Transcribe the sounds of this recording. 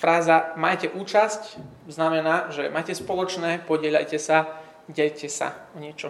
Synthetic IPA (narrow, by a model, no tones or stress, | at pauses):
fɾaːzamajcɛʔuːt͡ʃasc | znamɛnaːʒɛmaːjcɛspɔlɔt͡ʃnɛːpɔɟɪɛʎa̰jcɛsa | ɟɛʎcɛsa̰ɔɲɪɛt͡ʃɔ